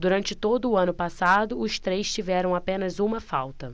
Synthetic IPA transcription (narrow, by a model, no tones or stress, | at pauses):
d̪uɾɐ̃nt͡ʃɪt̪od̪ʊːɐ̃nʊpasad̪ʊʊst̪ɾejst͡ʃivɛɾɐ̃w̃apẽnɐzũmɐfa̰wt̪ɐ